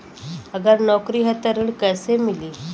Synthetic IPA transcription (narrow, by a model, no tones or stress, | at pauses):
əɡəɾnɔkɾiːɦət̪əɾəɽkəsemiliː